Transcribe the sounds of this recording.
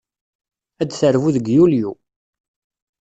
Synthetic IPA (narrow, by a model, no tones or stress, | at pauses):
æd̪θəɾvuðəɡjulju